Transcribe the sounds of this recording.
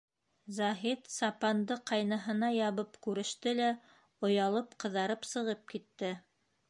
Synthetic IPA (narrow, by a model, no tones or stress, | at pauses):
zɑɦit̪sɑpɑnd̪ɤqɑjnɤ̆ɦɤ̆nɑjɑβɤpkʉɾɘ̆ʃt̪ɘlæ | ŏjɑlˠɤpqɤ̆ðɑɾɤpsɤ̆ʁɤp̚kit̪ːɘ